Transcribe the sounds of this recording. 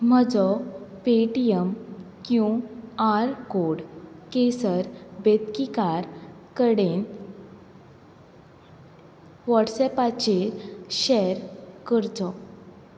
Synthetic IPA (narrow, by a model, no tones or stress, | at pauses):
m̤əd͡zɔpeʈijəm | kjũaɾkoɽkesəɾbet̪kikaɾkəɽen | ʋɔʈsɛpat͡ɕeɕeɾkəɾd͡zɔ